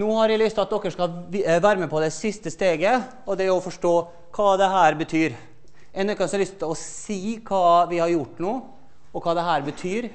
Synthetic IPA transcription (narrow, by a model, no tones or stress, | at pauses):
nuːhɑɾʋɪlʏst̪ɑt̪̚d̪ɔkːəʂkɑʋæːɾəmɛpʰɔd̪ɛsɪst̪əst̪eːɡə | ɔd̪ɛɔfɔʂʈoː | kʰɑːd̪ɛɦæːɾbət̪ʰyːɾ | ɛnd̪ɔkːɑsɔlʏst̪t̪ʰɪlɔsiːkʰɑːʋɪhɑɾjʊʈːnuː | ɔkʰɑːd̪ɛɦæːɾbət̪ʰyːɾ